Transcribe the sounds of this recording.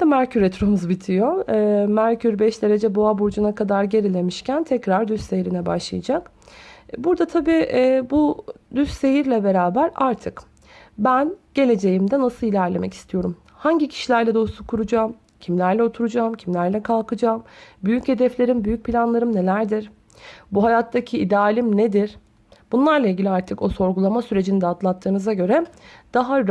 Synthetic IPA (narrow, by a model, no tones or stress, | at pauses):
d̪ɛmæɾcʰyɾet̪ɾomuzbit̪ʰijo̞ɛːmæɾcyɾbɛʃd̪e̞ɾe̞d͡ʒɛbo̞abuɾd͡ʒunakʰad̪aɾɟe̞ɾilʲe̞miʃcʰænt̪ʰɛcɾaɾd̪yssejɾinɛba̰ʃlˠɯjɯd͡ʒak | buɾd̪at̪ʰabiːʔːbud̪ysse̞jiɾlʲɛbe̞ɾaːbæɾaɾt̪ʰɯk | bænɟ̥e̞lʲe̞d͡ʒe̞jimd̪ɛnasɯlˠilʲæɾlʲe̞mʔɛ̰cʰi̥st̪ʰijo̞ɾum | haɲɟicʰi̥ʃilʲæɾlʲɛd̪o̞usukʰuɾud͡ʒaːm | cʰimlʲæɾlʲɛo̞t̪ʰuɾud͡ʒaːmcʰimlʲæɾlʲɛkʰalˠkʰɯd͡ʒaːmbyjyche̞d̪ɛflʲe̞ɾimbyjyc̚pʰilʲanlˠaɾɯmnelʲæɾd̪iɾ̥ | buɦajat̪ʰːacʰiid̪ɛaːlʲimned̪iɾ̥ | b̥unlˠaɾlˠailʲɟilʲaɾt̪ʰɯko̞so̞ɾɡulˠamasyɾe̞d͡ʒinid̪ɛat̪lˠat̪ʰːɯːnɯzaɟø̞ɾɛd̪̥aɦaɾ